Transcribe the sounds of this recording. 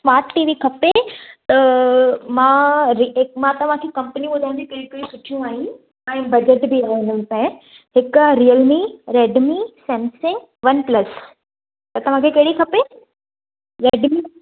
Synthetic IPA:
smaːt̪ːiʋikʰɐpet̪ɐ | mãɾimãt̪ɐʋ̤ãkʰekɐmpəniɓʊd̪ʱaɪ̃d͡ʑikeɾikɾisʊʈʰijũaːɦĩ | ɛ̃bɐd͡ʑeʈbiaːɦeɪnəpɐ̃ɪ̃ | ɦɪkɾijəlmiɾeːɖmisɛ̃ːmsẽ | ʋɐnplɐs | t̪ɐt̪ɐʋ̤ãkʰekeɦɽikʰɐpe | ɾeːɖmi

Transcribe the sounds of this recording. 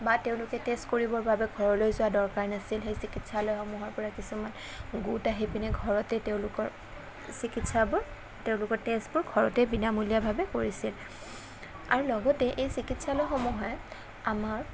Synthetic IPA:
bateʊ̃lʊkɛtestkoɹibɔɹbabɛɡʱɔɹɔlojzʊwadɔɹkaɹnasilxejsikitsalɔjxɔmuɦɔɹpɔɹakisuman | ɡutaɦipinɛɡʱɔɹɔtɛteʊ̃lʊkɔɹ | sikitsabɔ | teʊ̃lʊkɔɹtestbɔɹɡʱɔɹɔtɛbinamulijabʱabɛkoɹisil | a̰ɹulɔɡɔtɛʔejsikitsalɔjxɔmuɦɔj | amaɹ

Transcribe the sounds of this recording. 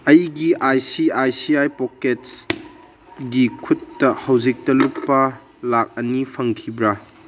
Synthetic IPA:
ɐjɡiʔajsiajsiajpokets | ɡikʰutːɐhɐwzik̚tɐluk̚pːɐ | lak̚ɐnipʰɐŋkʰibɾa

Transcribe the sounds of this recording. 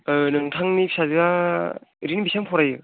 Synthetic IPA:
ɯnɯŋtʰaŋnipsazɯa | ɾinibisaŋpʰɔɾajɯ

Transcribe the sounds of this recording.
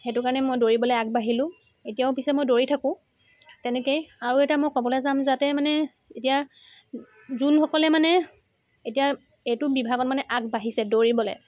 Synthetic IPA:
xɛtʊkaɹɔnɛmojdoɹibɔlɔjak̚baɦilʊ̃ | etijaʊpisɛmojdoɹitʰakʊ̃ | tɛnɛkejaɹuɛtamɔjkɔbɔlɛzamzatɛmanɛ | etija | zunxɔkɔlɛmanɛ | etija | etʊbibʱaɡɔtmanɛʔakbaɦisɛdoɹibɔlɛ̰

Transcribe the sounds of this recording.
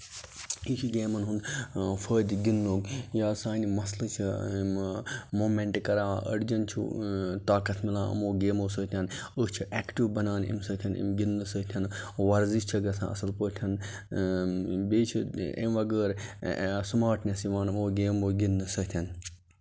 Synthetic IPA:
it͡ʃʰiɡʲeːmɐnɦund̪fʰəːd̪ʲɡinloːɡjaːsaːnimɐslɨt͡ʃʰi | moːmeɳʈkɐɾaːʔə̰ɽd͡ʒɐnt͡ʃʰṵt̪aːkɐt̪ʰmilãːɐ̰moːɡeːmoːsəːt̪ʰʲɐnət͡ʃʰiʔɛːkʈiʋbɐnaːnḭmsɐt̪ʰɐnḭmɡinːɨsət̪ʰɐnʋɐɾziʃt͡ʃʰɐɡɐsã̰ːɐ̰sɐlpəːt̪ʲʰɐn | beːt͡ʃʰiḛmʋɐɡəːɾ | smaːʈnʲɐsiʋaːnmoːɡeːmoːɡinːɨsɐt̪ʰɐn

